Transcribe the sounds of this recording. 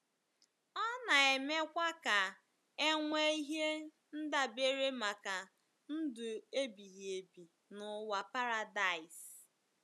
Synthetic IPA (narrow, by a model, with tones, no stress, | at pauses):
ɔ˦na˨e˨me˦kʷa˦ka˨ | e˦ŋʷe˦i˦ɦe˦ | n̩˦da˨be˦ɾe˦ma˨ka˨ | n̩˦dʊ˨e˦bi˨ɦe˨bi˨ | nʊ˨wa˨pa˦ɾa˨da˨ɪ˨s